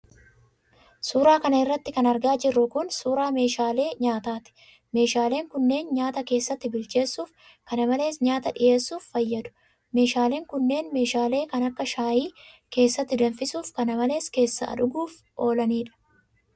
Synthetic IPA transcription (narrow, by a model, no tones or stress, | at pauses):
suːɾaːkɐnɐɪrːɐt̪ːɪkɐnɐɾɡaːd͡ʒɪrːʊkʊnsuːɾaːme̞ːʃaːle̞ːɲaːt̪aːt̪ɪ̥ | me̞ːʃaːle̞ːŋkʊnːe̞ːnɲaːt̪ɐke̞ːsːɐt̪ːɪbɪlt͡ʃe̞ːsːuːf | kɐnɐmɐle̞ːsɲaːt̪ɐᶑɪje̞ːsːuːfːɐjːɐd̪ʊ̥ | me̞ːʃaːle̞ːŋkʊnːe̞ːnme̞ːʃaːle̞ːkɐnɐkːɐʃaːjiː | ke̞ːsːɐt̪ːɪd̪ɐnfɪsuːfkɐnɐmɐle̞ːske̞ːsːɐ̰ɐ̰ᶑʊɡuːf | ʔo̞ːlɐniːᶑɐ̥